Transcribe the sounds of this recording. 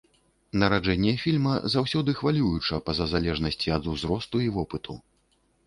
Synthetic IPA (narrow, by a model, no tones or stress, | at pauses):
nɐɾad͡ʐɛnʲːɛfʲilʲmɐzawsʲɔd̪ɨxvalʲujut͡ʂɐpɐzɐzalʲɛʐnɐsʲt͡sʲiɐd̪uzɾɔst̪uivɔpɨt̪u